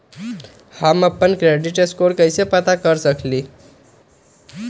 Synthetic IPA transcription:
haməpənkɾeɽiʈeskoɾkəjsepət̪akəɾsəkʰliː

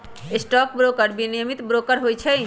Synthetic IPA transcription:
esʈɔk̚bɾokəɾbinimit̪bɾokəɾɦojt͡ʃʰə

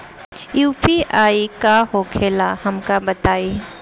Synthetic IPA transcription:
juːpiʔaːikaɦokʰeːlahɐmkabɐt̪aːiː

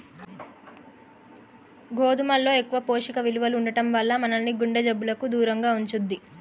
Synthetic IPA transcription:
ɡoːd̪umɐlːo̞ːe̞kːuʋɐpoːʂikɐʋiluʋɐluuɳɖɐʈɐmʋɐɭːɐmɐnɐnnːiɡuɳɖɐd͡ʒɐbːulɐkud̪uːɾɐŋɡaːuɲt͡ʃund̪ːi

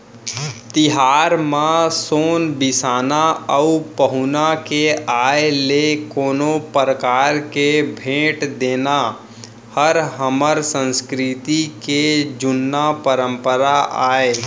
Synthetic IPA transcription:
t̪ɪɦaːɾmãsoːnbɪsaːnaəupəɦʊnakeaːelekoːnopɾəkaːɾkebʱeːʈd̪eːna | həɾɦəməɾsə̃nskɾɪt̪iked͡ʒʊnːapəɾə̃mpəɾaʔaːe

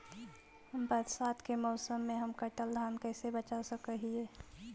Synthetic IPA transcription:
həmbəd̪saːd̪kemɔːsəmːẽɦəmkəʈəld̪ʱaːnkɛːsebət͡ʃasəkəɦiɛː

